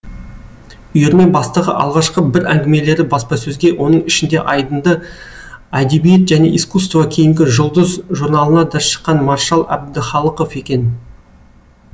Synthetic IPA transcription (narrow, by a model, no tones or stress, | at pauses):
ʊjeɾme̞nbɑst̪əʁə̰ʔɑ̰lˠʁɑʃqəbɪɾæŋɡʲɪme̞le̞ɾɪbɑspɑsɵzɡʲe̞wʔo̞nəɴɪʃɪnd̪e̞̰ʔɑjd̪ənd̪ə | æd̪e̞bijet̪ʒæne̞̰ʔijskust̪vɑkʲʰejɪŋɡʲɪʒʊlˠd̪əzʒuɾnɑlˠənɑd̪ɑʃə̥qːɑnmɑɾʃɑlˠæ̰b̚d̪ɪχɑlˠəqo̞fe̞kʲe̞n